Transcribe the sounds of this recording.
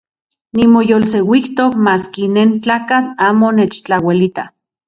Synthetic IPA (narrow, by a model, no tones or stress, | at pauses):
nimojolsewikt̪okmaːskineːnt͡ɬaːkat͡ɬaːmonet͡ʃt͡ɬawelit̪a